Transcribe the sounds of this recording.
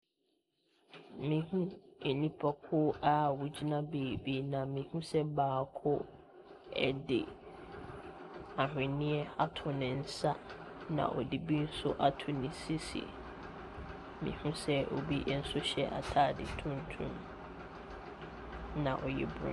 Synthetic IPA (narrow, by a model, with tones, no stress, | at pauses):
mĩ˨˦ɦũ˦e˨nĩ˦pʰɔ˨kʰʊ˦a˦wu˨d͡ʑi˦nã˦beː˨bi˦nã˨mĩ˨˦hũ˦sɛ˦baː˨kʰʊ˦ | ɛ̰˨dɪ̰˨ | a˨ɦᶣɪ̃˨nɪ̃˦ɛ˦a˦tʰʊ˨nɪ̃˨n̩˦sa˦nã̰˨ʔɔ˨di˨bi˦n̩˦sʊ˦ʔa˦tʰʊ˨nɪ̃˨si˦sḭ˨ | mḭ̃˨hũ˦sɛ˦o̰˨bi˦ʔn̩˦sʊ˦ɕɛ˦ʔa̰˨tʰaː˦˨dɪ̰˨tʰũ˦n˦tʰũ˦m | nã̰˨ʔɔ˨jɛ̰˦˨bɾʊ̰̃˦